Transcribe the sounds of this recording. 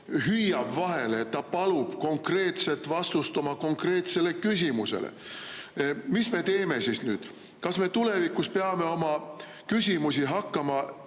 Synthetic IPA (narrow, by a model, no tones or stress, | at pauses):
ɦyjːɑb̥vɑɦe̞leeːt̪ːɑpɑlub̥ko̞ŋkre̞ːt̪se̞lt̪ˑvɑst̪ust̪omɑko̞ŋkre̞ːt̪se̞le̞kysʲimuse̞̰lḛ | misme̞t̪e̞ːme̞sisnyːd̪̥ | kɑsme̞t̪ule̞vikːuspe̞ɑme̞o̞mɑ | kysʲimus̬iɦɑkːɑmɑ